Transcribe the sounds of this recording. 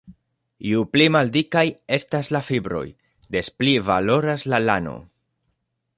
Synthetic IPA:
iuplimaldikaje̞staslafibɾo̞̰j | d̪e̞splivalo̞ɾaslalano̞̰

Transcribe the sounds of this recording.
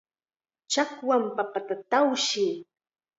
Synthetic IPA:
t͡ʃakwampapat̪at̪awʃɪː

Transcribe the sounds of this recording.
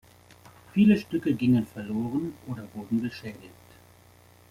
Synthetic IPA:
fiːləʃtʏkəɡɪŋənfɛɐloːʁ̞ənʔoːdɐvʊɐdn̩ɡəʃɛːdɪkt

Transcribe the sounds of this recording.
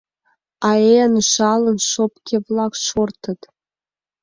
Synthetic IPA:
ɑeənʃɑlˠɤ̆nʃopkʲʰevlˠɑkʃort̪ɤ̆t̪

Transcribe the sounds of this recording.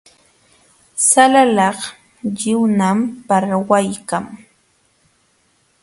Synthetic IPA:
salalɑχ | ʎɪwnampaɾwajkaŋ

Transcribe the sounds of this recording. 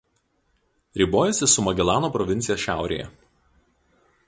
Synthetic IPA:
ɾʲiːˑboːjɛsʲɪsʊmɐɡʲɛlˠɑːnoːpɾɔʋʲɪnʲɪjoːsʃʲæˑʊɾʲḛːjɛ̰

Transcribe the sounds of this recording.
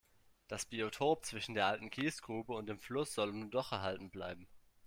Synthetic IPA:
d̥asb̥iotʰoːp̚t͡sv̥ɪʃn̩deːɐʔaltn̩kʰiːstɡ̥ʁuːbəʊnt̚d̥eːmflʊsz̥ɔlʊmnudɔχɛɐɦaltn̩bla̰ɪbm̩

